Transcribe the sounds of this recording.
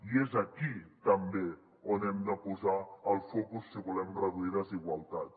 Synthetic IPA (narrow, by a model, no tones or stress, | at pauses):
iezakit̪ambe | onɛmd̪apuzaːlfɔkusːeβulɛmrəðuiɾaziɣwalˠt̪at̪